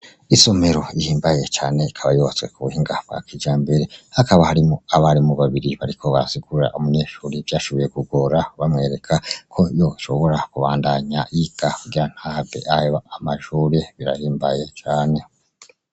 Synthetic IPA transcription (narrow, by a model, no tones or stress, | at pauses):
iso̞me̞ɾo̞ihiːmbaje̞t͡ʃaːne̞ikʰaβajoβat͡swe̞̰kuβuhiːŋɡab̥̚ɡ̥a̰kid͡ʒaːmbe̞ɾe̞hakaβahaɾimoaβaɾimuβaβiɾiβaɾikʰo̞βa̰ɾasiɡuɾa̰ʔumuɲeːʃuːɾivjaːʃo̞βoje̞kuɡoɾaβamŋe̞ːɾe̞kʰakʰo̞jo̞ʃo̞βo̞ɾakuβaːndaɲaʔiɡakuɡiɾan̥habḛʔaheβaamaʃuːɾeβiɾa̰hiːmbaje̞t͡ʃaːne̞